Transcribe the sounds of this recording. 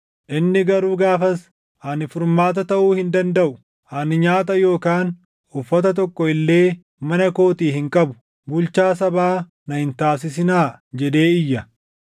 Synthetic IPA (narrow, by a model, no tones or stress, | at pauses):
ʔɪnːɪɡɐɾuːɡaːfɐs | hɐnɪfʊɾmaːt̪̬ɐt̪ɐʔuːhɪnd̪ɐnd̪ɐʔʊ | hɐnɪɲaːt̪ɐjo̞ːkaːn | ʊfːɐt̪ɐt̪̬ɔkːɔɪlːe̞ː | mɐnɐko̞ːt̪iːhɪŋkʼɐbʊ̥ | bʊlt͡ʃaːs̬ɐbaː | nɐhɪnt̪aːs̬ɪs̬ɪnaːd͡ʒɛd̪e̞ːɪjːɐ